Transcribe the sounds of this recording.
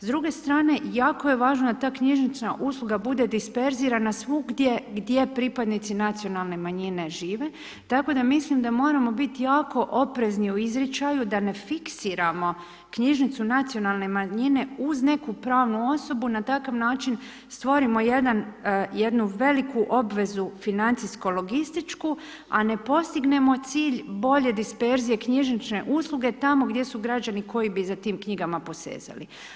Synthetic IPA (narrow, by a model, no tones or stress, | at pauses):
zd̪ɾuɡe̞st̪ɾaːne̞jaːkoje̞ʋaːʒnod̪at̪aːkɲiʒnit͡ʃ̪naʔuslˠuɡabud̪e̞d̪ispe̞ɾziːɾanasʋuɡd̪jeɡd̪je̞pɾipad̪nit̪sinat̪sijo̞nalˠne̞maɲine̞ʒiːʋe̞ | t̪ako̞d̪amislˠimd̪amo̞ːɾamo̞bit̪ijaːko̞ʔo̞pɾe̞zniuizɾet͡ʃajud̪ane̞fiksiːɾamo̞ | kɲiʒnit̪sunat̪sijo̞nalˠne̞maɲine̞uzne̞kupɾaːʋnuo̞so̞bunat̪akaʋnaːt͡ʃin | st̪ʋo̞ɾimo̞jed̪anje̞d̪nuʋe̞likuʔo̞bʋe̞zufinant̪sisko̞lo̞ɡist̪it͡ʃku | ane̞po̞st̪iɡne̞mo̞t̪siːʎbo̞ʎe̞d̪ispe̞ɾzije̞kɲiʒnit͡ʃne̞̰ʔuːslˠuɡe̞t̪amo̞ɡd̪je̞suɡɾad͡ʑaniko̞jibizat̪iːmkɲiɡamapo̞sḛːza̰lḭ